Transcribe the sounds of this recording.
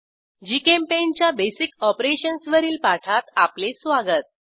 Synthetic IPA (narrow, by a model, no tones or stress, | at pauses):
d͡ʑikempent͡ɕjabesikɔpɾeɕənsʋəɾiːlpaʈʰat̪aplesʋaɡət̪̚